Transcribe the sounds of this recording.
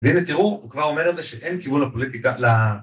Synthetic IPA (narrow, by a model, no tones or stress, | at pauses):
veimet̪iʁukvaʁo̞me̞ʁed̪zeʃeʔenkibunlapolit̪ikala